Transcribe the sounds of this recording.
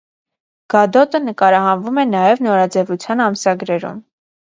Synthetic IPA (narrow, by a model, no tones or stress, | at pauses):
ɡ̥ɑd̪ɔt̪ənəkɑɾɑhɑnvumɛnɑjɛvnɔɾɑd͡zɛvut͡sʰjɑnɑmsɑɡɾɛɾṵm